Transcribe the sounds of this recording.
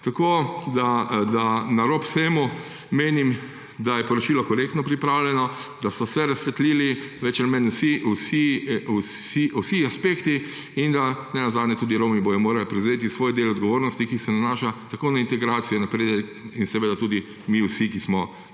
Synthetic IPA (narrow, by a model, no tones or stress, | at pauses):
t̪akod̪ad̪anaɾoːpsemu | meːnim | d̪ajɛpɔɾɔt͡ʃiːlɔkɔɾeːkt̪nɔpɾipɾaːwlʲjɛnɔd̪asɔsɛɾasʋɛt̪liːliʋɛt͡ʃamɛnsiusis | iusiaspeːkt̪i | ind̪anɛnazaːd̪nʲɛt̪uːd̪iɾomibojɔmoːɾalpɾɛwzeːt̪isʋoːjd̪eːlɔd̪ɡɔʋoːɾnɔst̪ikisɛnanaːʃat̪akoːnaint̪ɛɡɾaːt̪sijɔnapɾeːd̪ɛkinsɛʋeːd̪at̪uːd̪i | miwsikismɔ